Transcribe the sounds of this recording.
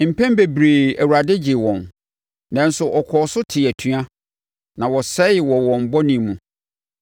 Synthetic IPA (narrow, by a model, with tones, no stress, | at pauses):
m̩˨pʰɛ̃˦m˦be˨bɾe˨æ˨wu˨ɾa˨dɪ˦d͡ʑɪ˨wɔ̃˨n | nã˦n˦sʊ˨ʔɔ˨kʰɔː˨sʊ˦tʰɪ˨æ˨tʰɥa˦ | nã˨wɔ˨sɛ˦˨wɔ˨wɔ̃˨m˨bɔ˦nĩ˨mũ˨